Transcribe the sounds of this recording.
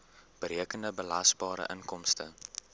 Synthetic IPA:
b̥əɾiəkəndəbəlɐsbɑːɾə̰ʔənkɔmstə

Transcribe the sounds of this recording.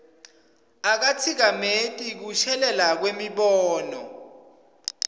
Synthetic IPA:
ak̬at͡sʰik̬ametʼik̬uʃɛlɛlak̬wemiɓɔːnɔ̰

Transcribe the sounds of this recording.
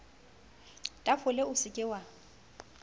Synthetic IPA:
tʼafʊleʊsɪkʼɪwa

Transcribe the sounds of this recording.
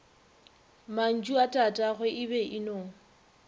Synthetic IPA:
man̩d͡ʒʼuatʼatʼaɣwɛʔɪbɛʔɪnoːŋ̩

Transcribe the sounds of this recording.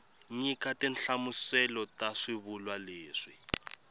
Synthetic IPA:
ɲikatɛnɬamusɛlɔtaʂiβulwaleːʂi

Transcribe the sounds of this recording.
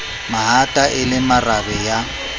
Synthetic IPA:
maɦatʼaʔɪlɪmarabɛja

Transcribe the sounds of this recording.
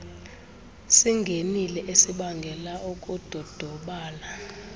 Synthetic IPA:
siŋɡʱenilɛʔesiɓaŋɡʱɛlaukʼud̥ʱɔd̥ʱɔɓaːla

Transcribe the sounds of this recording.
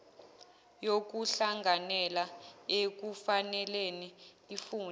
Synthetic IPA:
jok̬uɬaŋɡʱanɛlaek̬ufanɛleniː | fuːn

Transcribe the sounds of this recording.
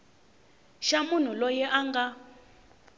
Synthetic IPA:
ʃamun̤ulɔjɛʔaŋɡa

